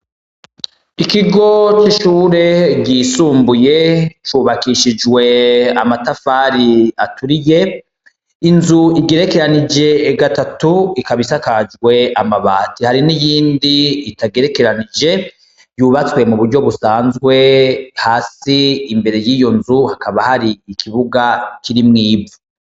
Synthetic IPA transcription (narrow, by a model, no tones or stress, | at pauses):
ikiɡo̞t͡ʃiʃuːɾe̞ɟiːsuːmbuje̞t͡ʃuːβakiʃid͡ʒwe̞amatafaːɾiatuɾije̞ | inzuiɡeɾe̞ke̞ɾanid͡ʒe̞ɡatatuikaβisakad͡ʒwe̞amaβaːtihaɾinijiːndiːtaɡe̞ɾe̞ke̞ɾanid͡ʒe̞ | juːβat͡swe̞muβuɾɟo̞βusaːnzɡwe̞haːsiːmbe̞ɾe̞jiːjo̞nzuhakaβahaɾiikʰiβuɡakʰiɾimŋiːbu